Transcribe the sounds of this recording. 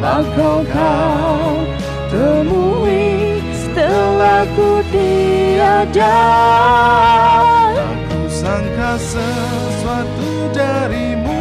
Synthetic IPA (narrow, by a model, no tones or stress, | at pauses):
aɡaka | dəmuwi | t̪əlakudiad͡ʒa | akusaŋkasə | suat̪u | d͡ʒaɾimu